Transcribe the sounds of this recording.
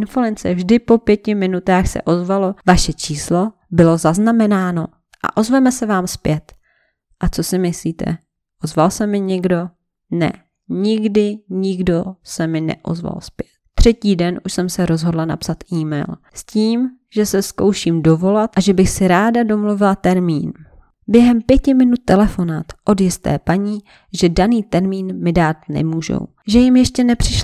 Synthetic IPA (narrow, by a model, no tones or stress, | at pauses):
ʔɪnfulɛnt͡sɛvʒdɪpo̞pjɛcɪmɪnut̪aːxsɛ̰ʔo̞zvalo̞vaʃɛt͡ʃiːslo̞ | bɪlo̞zaznamɛnaːno̞ | ʔa̰ʔo̞zvɛmɛsɛvaːmspjɛt̪ | ʔat͡so̞sɪmɪsliːt̪ʰɛ̰ | ʔozvalsɛmɪɲɪɡdo̞ | nɛ̰ | ɲɪɡdɪɲɪɡdo̞sɛmɪnɛ̰ʔo̰zva̰lspjɛt̪ːr̝̥ɛciːdɛnʔuʃsɛmsɛɾo̞zɦo̞dlana̰psat̪ʔiːmɛ̰jl | sciːm | ʒ̥ɛsɛsko̞wʃiːmdo̞vo̞lat̪ʔaʒɛbɪxsɪɾaːdado̞mluvɪlat̪ɛɾmiːn | bjɛɦɛmpjɛcɪmɪnut̪ːɛlɛfo̞naːt̪ʔo̞djɪst̪ɛ̰ːpaɲiː | ʒɛdaniːt̪ɛɾmiːnmɪdaːt̪nɛ̰muːʒo̰w | ʒɛjɪmjɛʃcɛnɛpr̥ɪʃ